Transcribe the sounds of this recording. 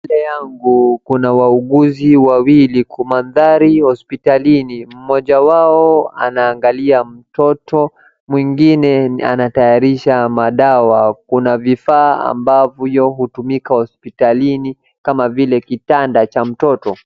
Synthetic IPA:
lɛjaŋɡukunawauɠuziwawilikumanðaɾihɔspitalinim̩mɔʄawaɔa̰naːŋɡaliam̩tɔtɔ | mwiŋɡinɛa̰natajaɾiʃamaɗawakunavifaːa̰mbavjɔɦutumikahɔspitalini | kamavilɛkitandat͡ʃam̩tɔtɔ

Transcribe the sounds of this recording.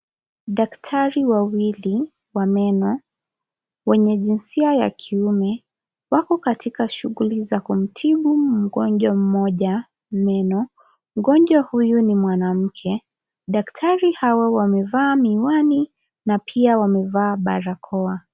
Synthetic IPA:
ɗaktʰaɾiwawili | wamɛnɔ | wɛɲɛʄinsiaja̰kʰiumɛ | wakɔkatikaʃuɣulizakum̩tʰiɓum̩ɠɔɲʄwam̩mɔʄa | mɛnɔ | m̩ɠɔɲd͡ʒwahujunimwanam̩kʰɛ | ɗaktʰaɾihawawamɛvaːmiwani | napʰiawamɛvaːɓa̰ɾakʰɔa

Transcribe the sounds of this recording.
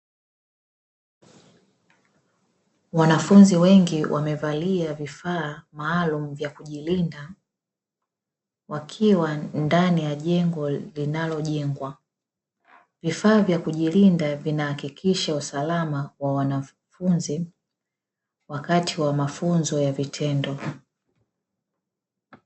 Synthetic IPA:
wanafunziwɛŋɡiwʔa̰mɛvaliavifaːmaːlum̩vjakuʄilinda | wakʰiwandanijaʄɛŋɡɔlinalɔʄɛŋɡwa | vifaːvjakuʄilindavinahakikʰiʃausalamawawana | funzi | wakatiwamafunzɔjavitʰɛndɔ

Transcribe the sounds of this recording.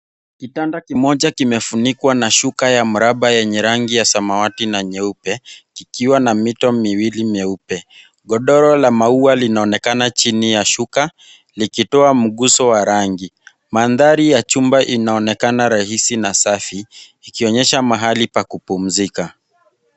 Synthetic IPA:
kitandakimɔʄakimɛfunikwanaʃukajam̩ɾaɓajɛɲɛɾaŋɡijasamawatinaɲɛupɛkikiwanamitɔmiwilimɛupɛ | ɠɔɗɔɾɔlamaualinaɔnɛkanat͡ʃinijaʃuka | likitɔam̩ɠusɔwaɾaŋɡi | manðaɾijat͡ʃumbaʔinaɔnɛkanaɾahisinasafiː | kiɔɲɛʃamaɦalipakupum̩zika

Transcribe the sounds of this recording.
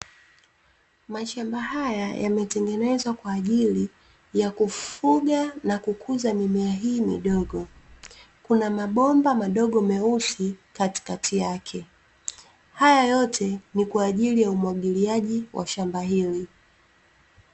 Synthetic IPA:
maʃambahajaja̰mɛtɛŋɡɛnɛzwakwaːʄili | jakufuɡanakukʰuzamimɛaɦiːmḭɗɔɠɔ | kunamaɓɔmbamaɗɔɠɔmɛusikati̥katʰijakʰɛ | hajajɔtʰɛnikwaːʄilijaumwaɠiliaʄiwʔa̰ʃambaɦili

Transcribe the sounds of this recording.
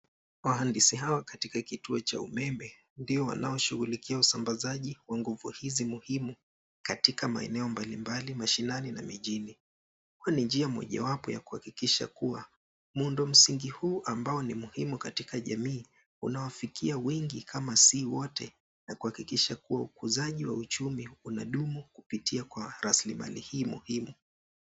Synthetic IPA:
waɦandisiɦawakatikakituɔt͡ʃa̰umɛmɛ | ndiɔwa̰na̰ɔʃuɣulikiausambazaʄiwaŋɡuvuhizimuhimu | katikama̰ɛ̰nɛɔmbalimbalimaʃinanina̰miʄini | huanind͡ʒiamɔ̰ʄa̰wapɔja̰ku̥hakikiʃa̰kuwa | mundɔm̩siŋɡihuːʔambaɔnimuhimukatikaʄamiː | ṵnawafikiawɛŋɡikʰamasiwɔtɛ | nakuhakikiʃakuwaukuzaʄiwaut͡ʃumiunaɗumukupitiakwaɾaslima̰lḭhiːmuhimu

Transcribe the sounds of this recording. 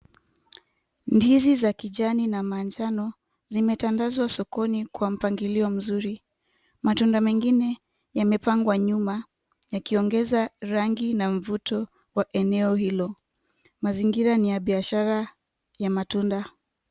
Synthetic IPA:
ndizizakiʄaninamand͡ʒanɔ | zimɛtandazwasɔkɔnikwam̩paŋɡiliɔm̩zuɾi | matundamɛŋɡinɛ | jamɛpaŋɡwaɲuma | jakiɔŋɡɛzaɾaŋɡinaɱ̩vutɔ | waʔɛnɛɔhilɔ | maziŋɡiɾanijaɓiaʃaɾa | jamatunda

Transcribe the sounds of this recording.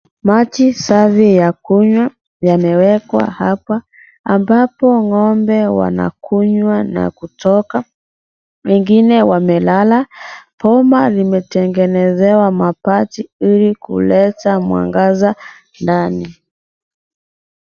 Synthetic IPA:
matisavijakuɲwa | jamɛwɛkwa̰hapaː | mbapɔŋɔmbɛwa̰na̰kuɲwana̰kutɔka | wɛŋɡinɛwamɛlalapɔmalimɛtɛŋɡɛnɛzɛwamapatiilikṵlɛtamwa̰ŋɡaza | ndani

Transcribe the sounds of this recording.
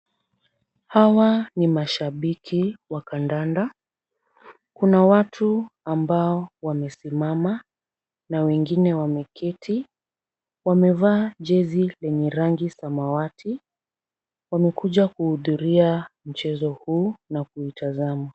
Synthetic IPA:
hawanimaʃaɓikʰiwakandanda | kunawatʰuambaɔwamɛsimama | nawɛŋɡinɛwamɛkʰɛtʰi | wamɛvaːʄɛzilɛɲɛɾaŋɡisamawatʰi | wamɛkuʄakuhuðuɾiam̩t͡ʃɛzɔhuːnakuitazama

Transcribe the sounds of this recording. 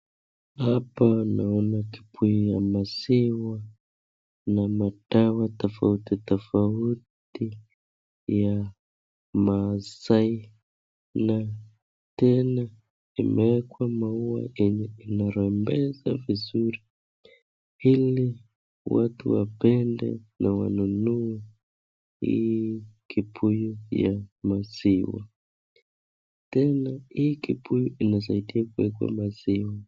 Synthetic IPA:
apanaɔnaki̥pʰuiamasiwa | namatawatafa̰utit̪afaut | i | ja | masai | na | tɛna | imʔɛɛkwamauwa̰ʔiɲɛinaɾɛmbɛza̰vizuɾi | ili | wa̰tʰṵwabɛndɛ̰nawa̰nunuwɛ | ḭjkʰʼipʰujujamaziwa̰ | tɛnaijikʼipʰujuʔinɔzaitʼiakuɛkwa̰maziwa

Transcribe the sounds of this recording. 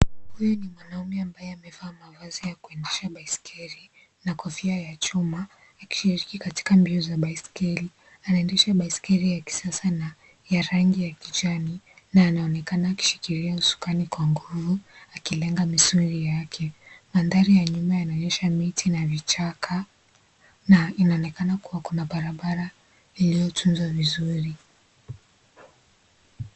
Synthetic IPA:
hujɔnimwanaumiambajɛamɛvaːmavazijakuɛndɛʃaɓaiskʰɛɾi | nakɔfiajat͡ʃumaː | ki̥ʃiɾikikati̥kambiɔzaɓaiskɛɾi | anaɛndɛʃaɓaiskɛɾijaki̥sasana | jaɾaŋɡijakit͡ʃani | naːnaɔnɛkanaːki̥ʃi̥kiɾiausu̥kanikwaŋɡuvuakilɛŋɡamisuɾijakʰɛmandaɾijaɲumajanaɔɲɛʃamitʰinavit͡ʃakʰa | nainaɔnɛkanakuwakunaɓaɾaɓaɾa | ilijɔtʰunzwavizuɾi

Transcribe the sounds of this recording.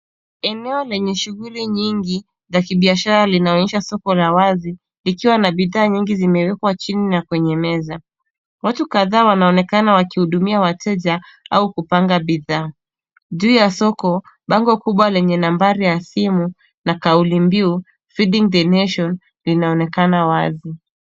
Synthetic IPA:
ɛnɛɔlɛɲɛʃuɣuliɲiŋɡi | zakiɓiaʃaɾalinaɔɲɛʃasɔkɔlawazi | likiwanaɓiðaːɲiŋɡizimɛwɛkwat͡ʃininakwɛɲɛmɛza | watukaðaːwanaɔnɛkanawakihuɗumiawatʰɛʄa | aukupaŋɡaɓiðaː | ʄuːjasɔkɔ | ɓaŋɡɔkuɓwalɛɲɛnambaɾijasimu | nakaulimbiu | fiɗiŋðɛnɛʃɔn | linaɔnɛkanawazi

